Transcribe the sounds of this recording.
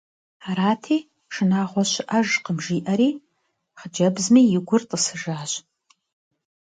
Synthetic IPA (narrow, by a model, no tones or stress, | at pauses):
aɾaːtʰiː | ʂɨnaːʁʷɔɕʔɐʒqəmʒiːʔɐɾiː | χəd͡ʒɐbzmiːjɪɡʷʊrtʼəsɨʒaːɕ